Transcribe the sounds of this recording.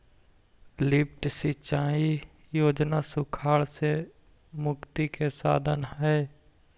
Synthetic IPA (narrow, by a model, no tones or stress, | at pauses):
lɪp̚ʈsit͡ʃaːi | joːd͡ʒnasʊkʰaːɭse | mʊkt̪ikesa̰ːd̪ʱənɦɛː